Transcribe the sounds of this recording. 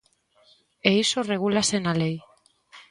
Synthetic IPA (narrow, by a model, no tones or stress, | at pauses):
eisoreɣ̞ulasenalej